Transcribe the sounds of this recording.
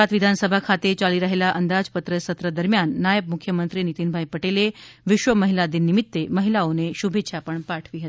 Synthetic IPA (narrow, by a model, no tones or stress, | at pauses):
at̪ʋid̪ʱansəbʱakʰat̪et͡ɕaliːɾəɦelaʔənd̪ad͡zpət̪ɾəsət̪ɾəd̪əɾmjanːajəb̚mukʰjəmənt̪ɾiːnit̪inbʱaipəʈeleʋiɕʋəməɦilad̪inːimit̪ːeməɦilaoneɕubʱet̪ːɕʰapəɳpaʈʰʋiːɦət̪i̥